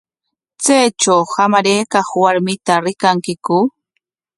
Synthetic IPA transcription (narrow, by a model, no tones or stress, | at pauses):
t͡sajt͡ʃawhamaɾejkɑχwaɾmɪt̪aɾɪkaŋkɪkʊ